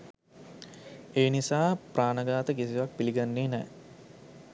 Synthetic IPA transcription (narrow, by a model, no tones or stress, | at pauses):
eːnisaːpraːnəɡaːt̪əkisiʋak̚piliɡanːeːnɛ̰ː